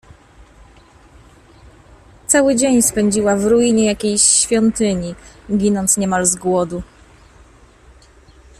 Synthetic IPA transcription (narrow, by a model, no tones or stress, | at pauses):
t̪sawɘd͡ʑeɲspɛɲd͡ʑiwavɾujiɲɛjakʲejɕfʲjɔnt̪ɘɲiɡʲinɔnt̪sɲɛmalzɡwɔd̪u